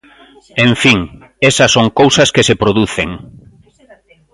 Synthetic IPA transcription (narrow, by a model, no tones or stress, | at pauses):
ẽɱfiŋ | esɐsoŋkowsɐskesepɾoðuθḛŋ